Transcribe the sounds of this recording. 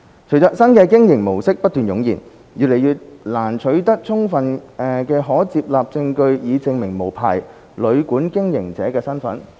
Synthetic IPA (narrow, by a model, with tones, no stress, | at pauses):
t͡ʃʰɥt͡sɔː˨˧k̚sɐ˥nkɛː˧kɪ˥ŋjɪ˨˩ŋmo˨˩wsɪ˥k̚pɐ˥t̚t̪yː˨njʊ˨˥ŋjiː˨˩n | jyː˨t̚le˨˩jyː˨t̚laː˨˩nt͡ʃʰɵ˨˥ɥt̪ɐ˥k̚t͡sʰʊ˥ŋfɐ˨nɛ˨˧kɛː˧ɦɔː˨˥t͡siː˧p̚laː˨p̚t͡sɪ˧ŋkɵ˧ɥjiː˨˧t͡sɪ˨˧ŋmɪ˨˩ŋmo˨˩wpʰa̰ː˨˩j | lɵ˨˧ɥkuː˨˥nkɪ˥ŋjɪ˨˩ŋt͡sɛː˨˥kɛː˧sɐ˥nfɐ̰˨˥n